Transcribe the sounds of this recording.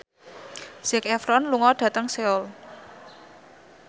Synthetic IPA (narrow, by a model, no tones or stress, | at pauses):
sɪkɛfɾɔnluŋɔɖ̥ä̤t̪əŋseɔl